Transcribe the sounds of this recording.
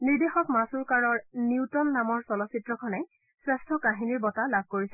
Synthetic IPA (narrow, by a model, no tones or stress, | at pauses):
niɹdexɔkmasuɹkaɹɔɹniwtɔnːamɔɹsɔlɔsitɹɔkʰɔnɛj | sɹɛstʰɔkaɦiniɹbɔtalab̚ʱkoɹisɛ